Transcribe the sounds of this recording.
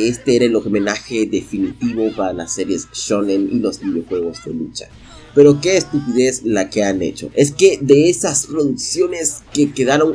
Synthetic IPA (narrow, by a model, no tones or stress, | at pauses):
e̞st̪e̞eɾaelome̞naxe̞ðe̞finit̪iβo̞paɾala̰sːe̞ɾje̞sʃonenḭlo̞zbiðɾjo̞xwe̞ɣo̞zðe̞̰lut͡ʃḁ̰ | pe̞ɾo̞ke̞ːst̪upiðe̞zlake̞anḛt͡ʃo̞̰ʔe̞ske̞ðe̞esaspɾoðuksjo̞ne̞ske̞ke̞ðaɾo̞ŋ